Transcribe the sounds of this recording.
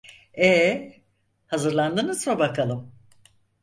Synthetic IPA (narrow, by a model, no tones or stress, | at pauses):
ɛ | hazɯɾlˠand̪ɯnɯzabakʰalˠɯm